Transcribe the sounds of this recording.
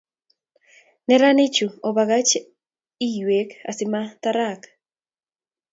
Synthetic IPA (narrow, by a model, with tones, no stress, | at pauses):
nɛ˦ɾanɪ˦t͡ʃu˨ɔ˨βaɣa˦t͡ʃ | i˦jwe˨ka̰˨sɪmat̪aɾak